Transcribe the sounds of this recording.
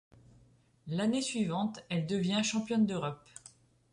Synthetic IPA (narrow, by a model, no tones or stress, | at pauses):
lanesɥivɑ̃t̪ɛld̪əvjɛ̃ʃɑ̃pjɔnd̪øʁɔp